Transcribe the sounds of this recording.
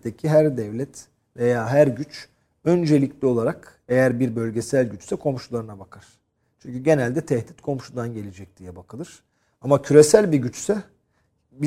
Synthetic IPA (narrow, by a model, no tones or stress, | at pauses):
d̪ecʰiɦæɾd̪ɛvlʲɛt̪ | ve̞jaːɦæɾɟyt͡ʃ | ø̞nd͡ʒe̞lʲicʰlʲio̞lˠaɾak | e̞jæɾbiɾbø̞lʲɟe̞sælʲɟyt͡ʃsɛkʰo̞mʃulˠaɾɯnabakʰaɾ̥ | t͡ʃʰyɲcʰyɟe̞nælʲd̪ɛt̪ʰɛhd̪it̪kʰo̞mʃud̪anɟe̞lʲed͡ʒɛc̚d̪̥ijɛbakʰɯlˠɯɾ̥ | amacʰyɾe̞sælʲbiɟyt͡ʃsɛ | bi